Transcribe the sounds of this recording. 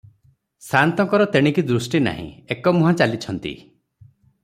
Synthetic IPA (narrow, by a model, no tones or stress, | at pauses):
sant̪ɔŋkɔɾɔt̪eɽ̃ikid̪ɾusʈina̰ɦḭ̃ekɔmuɦãt͡ʃalit͡ʃʰɔnt̪ḭ